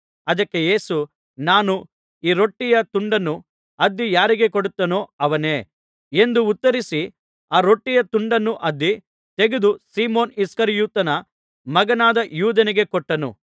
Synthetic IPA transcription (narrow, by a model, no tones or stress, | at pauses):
ɐd̪ɐkːe̞je̞ːsu | naːnu | iːɾo̞ʈːijɐt̪uɳɖɐnːu | ɐd̪ːijaːɾiɡe̞koɽut̪ːɐnoːɐʋɐne̞ː | e̞nd̪uːt̪ːɐɾisi | aːɾo̞ʈːijɐt̪uɳɖɐnːuʔɐd̪ːi | t̪e̞ɡed̪usiːmoːniskɐɾjuːt̪ɐnɐ | mɐɡɐnaːd̪ɐjuːd̪ɐniɡe̞kɔʈːɐnṵ